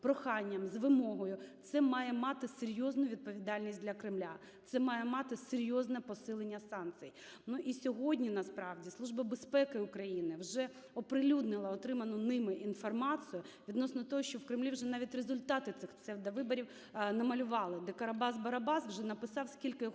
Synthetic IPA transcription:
pɾɔxɑnʲːɐmzʋɪmɔɦɔjʊt̪sɛmɑjɛmɑt̪ɪseɾʲjɔznʊʋʲid̪̚pɔʋʲid̪ɑlʲnʲisʲt̚ʲdʲlʲɐkɾɪmlʲa | t̪sɛmɑjɛmɑt̪ɪseɾʲjɔznɛpɔsɪlˠenʲːɐsɑnkt͡s̪ʲɨ̰j | nuʔisʲɔɦɔdʲnʲinɐspɾɑʋdʲislˠuʒbɐbespɛkɪʊkɾɐjinɪwʒɛ | ɔpɾɪlʲud̪nɪlˠɐɔt̪ɾɪmɐnʊnɪmɪʔinfɔrmɑt͡s̪ʲɨjʊʋʲid̪nɔsnɔt̪ɔɦɔʃt͡ʃɔwkɾɪmlʲiwʒɛnɑʋʲitʲrezʊlʲt̪ɑt̪ɪt̪sɪxsɛwd̪ɐʋɪbɔɾʲiw | nɐmɐlʲʊʋɑlˠɪd̪ɛkɐɾɐbɑzbɐɾɐbɑswʒɛnɐpɪsɑwskʲilʲkɪj

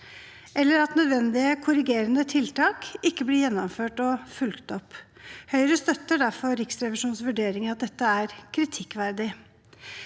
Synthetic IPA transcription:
ʔɛlːəɾɑt̪nœd̪ʋɛnd̪ɪəkʰʊɾɪɡeːɾənət̪ʰɪlt̪ɑːkɪkːəblɪjɛnːɔmføːʈɔfʉlkt̪ɔphœʏɾəst̪œt̪ːəɖæɾfɔɾɪksɾɛʋɪʂuːnsʋʉɖeːɾɪŋəɑt̪̚d̪ɛt̪ːəæɾkʰɾɪt̪ʰɪkːʋæɾd̪ɪ

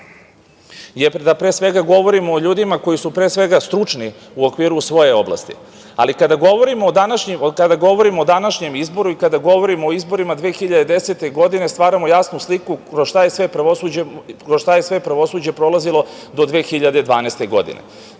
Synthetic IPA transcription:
jed̪apɾeːsʋe̞ɡaɡo̞ʋo̞ɾimoːʎuːd̪imako̞jisupɾesʋe̞ɡast̪ɾut͡ʂni | uokʋiːɾusʋo̞je̞o̞blˠa̰st̪ḭ | a̰likad̪aɡo̞ʋo̞ɾimoːd̪anaʃɲikad̪aɡo̞ʋo̞ɾimoːd̪anaʃɲe̞mizbo̞ɾuikad̪aɡo̞ʋo̞ɾimo̞ːizbo̞ɾimad̪ʋeːxiʎad̪ed̪e̞set̪e̞ɡo̞d̪ine̞st̪ʋaːɾamojaːsnuslikuɾoʃt̪ajesʋepɾaʋosud͡ʑɾoʃt̪ajesʋe̞pɾaʋo̞sud͡ʑe̞pɾo̞lˠazilˠo̞ | d̪o̞d̪ʋeːxiʎad̪ed̪ʋaːnest̪e̞ɡo̞̰d̪ḭnḛ

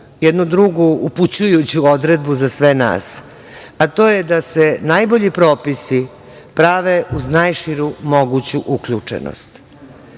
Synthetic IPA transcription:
jɛd̪nud̪ɾuɡuuput͡ɕujut͡ɕuo̞d̪ɾe̞d̪buzasʋena̰ːs | at̪o̞ːjed̪asenajbo̞ʎipɾoːpisi | pɾaʋeʔuznajʃiɾumo̞ɡut͡ɕuʔukʎut͡ʂḛno̰st̪

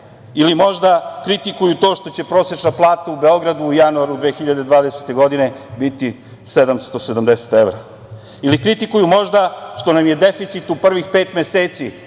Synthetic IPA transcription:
ilimo̞ʒd̪akɾit̪ikujut̪o̞ːʂt̪o̞t͡ɕe̞pɾo̞set͡ʃnaplˠaːt̪aube̞o̞ɡɾad̪uːjanuaɾud̪ʋe̞ːxiʎad̪e̞d̪ʋaːd̪eset̪e̞ɡo̞d̪ine̞bit̪i | sed̪amst̪o̞sed̪amd̪ese̥t̪evɾa | ilikɾit̪ikujumo̞ʒd̪aʃt̪o̞namje̞d̪e̞fit̪sit̪upr̩ʋixpeːt̪me̞seːt̪si

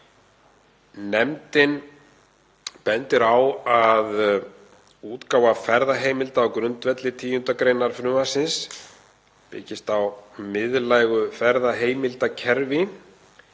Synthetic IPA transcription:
nɛmt̪ɪn | pɛnt̪ɪɾawað | uːt̪kawvafɛɾðaɦeːjmɪlt̪aːwkɾʏnt̪vɛt̪lɪt̪ʰiːjʏnt̪akɾeːjnaɾ̥fɾʏːmasɪns | pɪ̰ːcɪst̪awmɪðlajɣʏfɛɾðaɦeːjmɪlt̪acʰɛɾvɪ

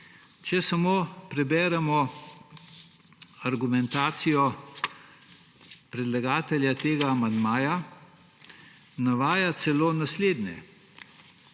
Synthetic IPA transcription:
t͡ʃɛsamoːpɾɛbɛːɾɛmɔ | aɾɡumɛnt̪aːt̪sijɔ | pɾɛd̪laɡaːt̪ɛljat̪eːɡaːmand̪maːja | naʋaːjat̪sɛloːnasleːd̪nʲɛ̰

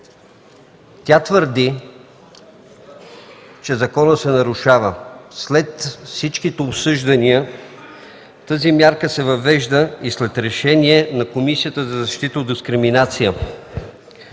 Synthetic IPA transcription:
t̪ʲat̪vəɾd̪i | t͡ʃɛzɐkɔnət̪sɛnɐɾuʃavəslɛt̪fsit͡ʃkit̪ɛːpsɤʒd̪ɐniə | t̪əzimjaɾkəsɛvɐvɛʒd̪əislɛt̪ɾɛʃɛniɛnɐkomisijət̪əzɐzɐʃt̪it̪əod̪d̪iskɾiminat̪sijə

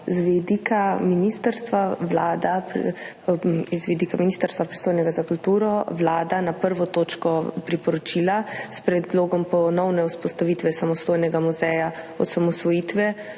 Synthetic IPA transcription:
zʋɛd̪ikaminist̪əɾst̪ʋaʋlaːd̪ap | izʋid̪ikaminiːst̪əɾst̪ʋapɾi̥st̪oːjnɛɡazakult̪uːɾɔʋlaːd̪anapəɾʋɔt̪oːt͡ʃkɔpɾipɔɾɔt͡ʃilaspɾɛd̪loːɡɔmpɔnɔwnɛuspɔst̪aʋit̪ʋɛsamɔst̪oːjnɛɡamuzɛja | ɔsamɔsʋɔjiːt̪ʋɛ

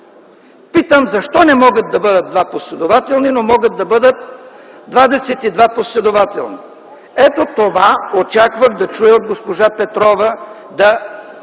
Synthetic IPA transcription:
pit̪əmzɐʃt̪ɔnɛmɔɡət̪̚d̪ɐbɤd̪ət̪̚d̪vaposlɛd̪ovat̪ɛlˠninomɔɡət̪̚d̪ɐbɤd̪ət̪̚ | d̪vad̪ɛsɛt̪id̪vaposlɛd̪ovat̪ɛ̰lˠni | ɛt̪ot̪ovaot͡ʃakvəxd̪ɐt͡ʃujɛod̪̚ɡospoʒapɛt̪ɾɔvə | d̪ɐ

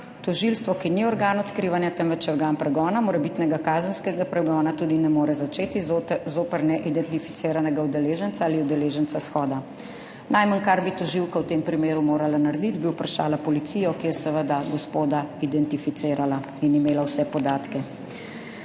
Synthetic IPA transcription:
t̪ɔʒilst̪ʋɔkiniɔɾɡaːnɔt̪kɾiːʋanjat̪ɛmʋɛt͡ʃɔɾɡaːnpɾɛɡɔːnamɔɾɛbit̪nɛɡakaːzənskɛɡapɾɛɡɔːnat̪uːd̪inɛmoːɾɛzat͡ʃeːt̪izoːpɛɾnɛʔid̪ɛnt̪ifi̥t̪seːɾanɛɡaud̪ɛleːʒənsaaːliud̪ɛleːʒənt̪sasxɔːd̪a | nʔajmankaɾbit̪ɔʒiwkawt̪eːmpɾimeːɾumoːɾalanaɾd̪it̪biupɾaʃa̰ːlapɔlit̪sijɔkijɛsɛʋəd̪aɡɔspoːd̪aid̪ɛnt̪ifit̪seːɾala | inimeːlawsɛpɔd̪aːt̪kɛ

